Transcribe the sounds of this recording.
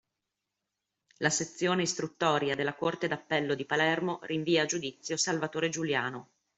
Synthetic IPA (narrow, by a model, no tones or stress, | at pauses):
laset̪sːjoːneist̪ɾut̪ːɔːɾjad̪elːakort̪ed̪apːɛlːod̪ipalɛrmoriɱviːad͡ʒud̪it̪sːjosalvat̪oːɾed͡ʒuljaːno